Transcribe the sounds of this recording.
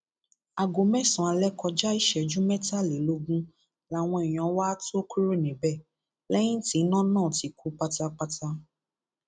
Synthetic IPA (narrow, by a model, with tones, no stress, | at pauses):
a˨ɡo˨mɛ˦˨sũ˨a˨˧lɛ˦kɔ˧d͡ʒa˦i˦ʃɛ˨d͡ʒũ˦mɛ˦ta˦˨le˨lo˧ɡũ˦ | la˨w̃ɔ̃˧i˨j̃ɔ̃˨˦wa˦to˦ki˦ɾo˦˨nĩ˨bɛ˦˨ | lɛ˦j̃ĩ˦ti˨˦nã˦nãː˦˨ti˨˦ku˨˦k͡pa˧ta˧k͡pa˧ta˧